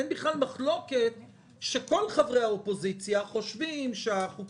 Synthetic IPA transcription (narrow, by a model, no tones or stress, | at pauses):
enbiχlalmaχlo̞ket̚ | ʃe̞ko̞lχavʁejhaopo̞zit͡sjaχo̞ʃvimʃeaχuk